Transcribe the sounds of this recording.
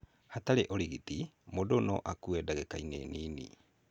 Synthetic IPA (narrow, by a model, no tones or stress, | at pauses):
hataɾeʔoɾiɣitimodonɔ̰ʔakuɛdaɣɛkainḛniːnḭ